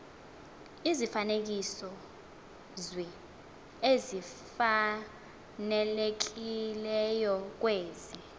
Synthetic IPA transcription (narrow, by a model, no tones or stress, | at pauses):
izifanek̬isɔ | zwɛ | ezi | fa | nɛlek̬ilɛjɔk̬weːzi